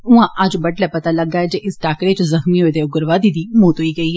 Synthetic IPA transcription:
ʊɦãʔad͡ʒbɐʈlɛpɐt̪alɐɡaɛd͡ʒeʔɪsʈaːkɾet͡ʃozɐxmiɦoid̪eoɡʊɾʋad̪id̪imoːt̪ɦoiɡɐiɦɛː

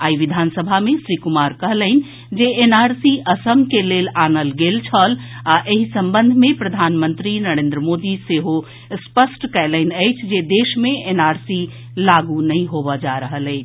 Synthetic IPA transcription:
aːiʋid̪ʱaːnsəbʱamẽsɾikumaːɾkəɦləɦɪn | d͡ʒeenaːɾsiʔəsəmkeleːlaːnəlɡeːlt͡ʃʰəlaʔeɦisə̃mbənd̪ʱmẽpɾəd̪ʱaːnmə̃nt̪ɾinəɾeːnd̪ɾəmod̪iseɦo | spəsʈkɛɪlənəɪt͡ʃʰd͡ʒed̪eːʃmẽenaːɾsi | laɡunəɦĩɦobəd͡ʒaɾəɦəlɛːt͡ʃʰ

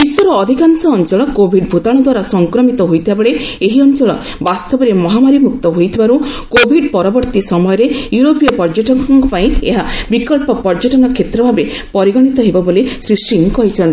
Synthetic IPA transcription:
iswɔɾɔːd̪ʱikansɔːnt͡ʃɔɭɔkobʱiɖbʱut̪aɽ̃ɔd̪waɾasɔŋkɾɔmit̪ɔɦojt̪ʰibabeɭeeɦiɔnt͡ʃɔɭɔ̰ | bast̪ɔbɔɾemɔɦamaɾimuk̚t̪ɔɦojt̪ʰibaɾukobʱiɖpɔɾɔbɔɾt̪isɔmɔjɔɾejuɾopijɔpɔɾd͡ʒɔʈɔaŋkɔpaĩḛɦabikɔlpɔpɔɾd͡ʒɔʈɔnɔkʰːet̪ɾɔbʱabe | pɔɾiɡɔɽ̃it̪ɔɦebɔbolesɾisʈiŋkɔɦit͡ʃʰɔnt̪i

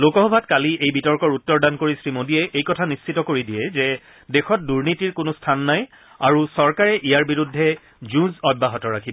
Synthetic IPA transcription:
lokɔɦɔbʱatkaliʔejbitɔɹkɔɹutːɔɹdankoɹisɹimodiɛʔejkɔtʰanist͡ʃʰitɔkoɹidiɛzɛ | dexɔt̚duɹnitiɹkʊnʊstʰanːaj | aɹusɔɹkaɹɛʔijaɹbiɹudʱːɛ | zũzɔbːaɦɔtɔɹakʰi

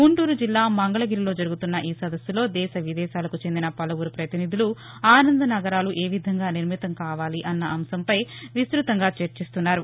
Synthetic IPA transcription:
ɡuɳʈuːɾud͡ʒilːaːmɐŋɡɐɭɐɡiːɾilo̞ːd͡ʒɐɾuɡut̪unːɐʔiːsɐd̪ɐsːulo̞ːd̪ɛːʃɐʋid̪ɛːʃaːlɐkut͡ʃend̪inɐpɐlɐʋuɾupɾɐt̪inid̪ulu | aːnɐnd̪ɐnɐɡɐɾaːluʔe̞ːʋid̪ʱɐŋɡaːniɾmit̪ɐmkaːʋaːliʔɐnːɐʔɐmsɐmpɐjʋist̪ɾut̪ɐŋɡaːt͡ʃeɾt͡ʃist̪unːaːɾu

